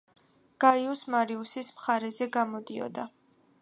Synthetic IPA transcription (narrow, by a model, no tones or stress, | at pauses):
ɡ̥aiusmaɾiusismχaɾɛzɛɡamɔd̪iɔ̰d̪a